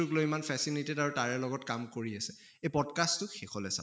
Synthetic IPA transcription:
uklojimanfʰɛsilitedaɹutaɹɛɹlɔɡɔtkamkoɹiasɛ | ejpɔdkastːʊxɛkʰɔlɛsa̰

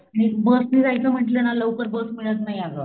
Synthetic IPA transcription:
añibəsmiːkajt͡səm̤əʈlənaləwkəɾbəsmiɭət̪naɦjaʋo

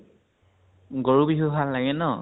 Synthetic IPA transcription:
ɡoɹubiɦuɦalːaɡɛnɔ

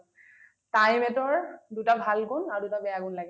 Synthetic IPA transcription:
tajmɛtɔɹdutabʱalɡʊnaɹudutabɛjaɡunlaɡɛ

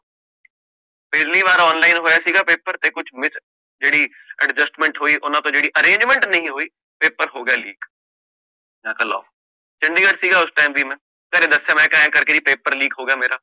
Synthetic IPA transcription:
peːɾliʋaːɾaɔːnlaːɪnɦoːjasiːɡapeːpəɾt̪ekʊt͡ʃʰmɪs | d͡ʒeːɽi | ɐɖd͡ʒəsʈmɛ̃ɳʈɦoːiʔʊnãt̪od͡ʒeːɽiʔɐɾẽːɲd͡ʒmẽɳʈnɐɦĩɦoːiː | peːpːəɾɦoːɡɐjaliːk | jãːkɐla̰ː | t͡ʃɐ̃ɳɖiɡəɖsiːɡaʊsʈaːɪmbʱimẽ | kɐɾẽd̪ɐsemɛ̃ːkãːjẽkɐɾked͡ʒipeːpəɾliːkɦoːɡɐjameːɾaː

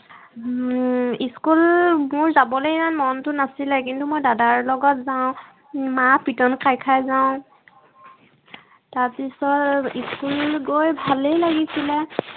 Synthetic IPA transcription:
iskulmʊɹzabɔlojmanmɔntʊnasilɛk̬intumojdadaɹlɔɡɔtzaʊ̃ | mapitɔnkajkʰajzaʊ̃ | taɹpisɔtiskulɡojbʱalejlaɡisilɛ

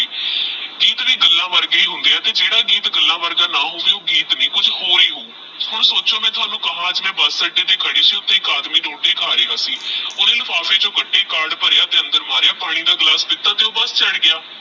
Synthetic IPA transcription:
ɡiːt̪ɾiːɡəlːãːʋəɾɡeiːɦʊ̃nd̪eːaːt̪eːd͡ʒeːɽaːɡiːt̪ɡəlːãːʋəɾɡaːnaːɦoːʋeːoːɡiːt̪nĩːkʊd͡ʒhoːɾiːɦoː | hʊɳsoːt͡ʃõːmɛ̃ːt̪ʰʊaːnũːkəɦãːd͡ʒmɛ̃ːbəssəɖeːt̪eːkʰəɽiːsiːʊt̪ːẽːɪkaːd̪miːɖõːɖeːkʰaːɾeːaːsiːʊnẽːlfaːfʰeːd͡ʒoːɡəɖːeːkaːɾɖpəɾːaːt̪eːə̃nd̪əɾmaːɾeːaːpaːɽ̃iːd̪aːɡlaːsd̪ɪt̪ːaːt̪eːoːbəst͡ʃəɽɡɪaː

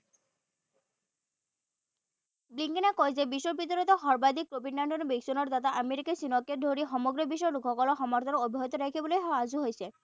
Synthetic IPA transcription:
bliŋkinakɔjzebiʃɔbit̪ɔɾɔt̪ɔɦɔɾbad̪ikːɾobinːaɳɖɔnɔbiksunɔɾd̪at̪aʔameɾikesinɔkːed̪ʱoɾiɦɔmɔɡɾɔbiʃɔjɾukʰɔkɔlɔxɔmɔɾt̪ʰɔnɔobʱiɦɔt̪ɔɾekʰibɔlojɦɔaːzuɦojsʰe

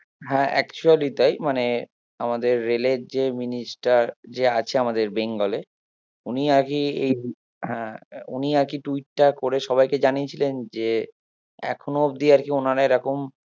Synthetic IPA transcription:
ɦɛ̃ʔɛ̰kt͡ɕualit̪ajmane | amad̪eɾːeleɾd͡ʑeminisʈaɾd͡ʑeat͡ɕʰeamad̪eɾbeŋɡɔle | uniaɾkiḛj | ɦɛ̃ṵniaɾkiʈuiʈːakoɾeʃɔbajked͡ʑaniet͡ɕʰilend͡ʑe | ɛ̰kʰonod̪iaɾkionaɾaeɾɔkom

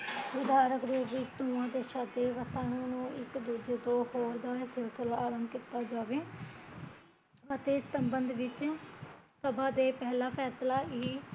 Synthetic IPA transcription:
ʋɪd̪aːɾəkd̪eːʋɪt͡ʃt̪ũːãːd̪eːʃad̪eːʋəsaːnũːnũːɪkd̪uːd͡ʒeːd̪oːhoːld̪aːsɪlsəlaːɾəmbkit̪ːaːd͡ʒaːʋeː | ʋət̪eːɪsːəmbənd̪ʋɪt͡ʃ | səbãːd̪eːpɛːlaːpʰɛːslaːiː

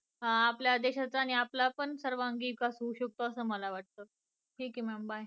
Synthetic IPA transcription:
ɦapljad̪eɕat͡saːɽ̃iaplapəɳsəɾʋaŋɡiːkasuuɕək̚t̪oəsəːməlaʋaʈ̚t̪əː | ʈʰiːkɛmɛmbaj

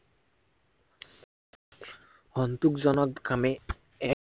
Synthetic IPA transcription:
hɔnt̪ukzɔnɔkɡɾamɛ | ɛ

